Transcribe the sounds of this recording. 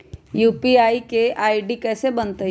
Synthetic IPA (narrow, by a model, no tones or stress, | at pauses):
juːpiaːikeaːiɖikɛːsebɐnt̪ə